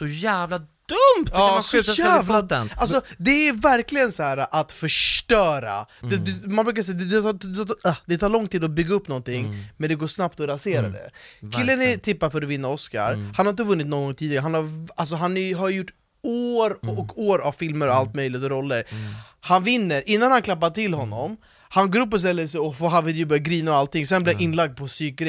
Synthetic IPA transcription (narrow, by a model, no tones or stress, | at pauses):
sɔjæːvlad̪̥ɵmːsæːvlaals̬ɔd̪ɛæɾvæɾklɪɡənsɔhæːɾaʔat̪fœʂʈœːɾa̰d̪ɛd̪ɛmanbɾʉkas̬ɛjd̪ɛd̪ɛ | d̪ɛt̪ʰɑːɭlɔŋt̪iːd̪ɔbʏɡːaɵpːnɔnt̪ɪŋːmɛnd̪ɛɡoːʂnapt̪ɔɾaseːɾa̰d̪ɛ̰kʰɪlːənæt̪ʰɪpːaɾfœɾɔvɪnːaɔska̰ɾhanhaɾɪnt̪əvɵnːɪt̪nɔnːɡɔŋːt̪ʰiːd̪ɪɡɾɦanhaɾals̬ɔɦanɛjɦaɾjjʊʈː | oːɾɔkoːɾavfɪlməɾɔalt̪mœjlɪɡt̪ɔɾɔlːəɾ | hanvɪnːəɾʔɪnːanhankʰlapːaʈ̪ʰɪlɦɔnːɔm | hanɡoːɾɵpːɔs̬t̪ɛlːəs̬ɛɔfɔɦavɪd̪jəbœɾjaɡɾiːnəɾɔalt̪ːɪŋsɛnblɪaʔɪnːlaɡ̚d̪̚pʰɔsyːk̚ɾɛ